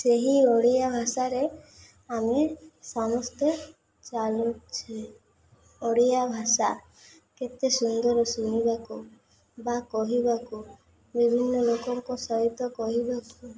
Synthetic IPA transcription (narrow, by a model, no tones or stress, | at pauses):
seɦioɽijabʱasaɾe | amesamɔst̪ʰe | t͡ʃalutt͡ʃʰi | oɽijabʱasa | ket̪esund̪ɔɾɔsunibaku | bakɔɦibaku | bibʱinːɔlokɔŋkɔsɔɦit̪ɔkɔɦibaku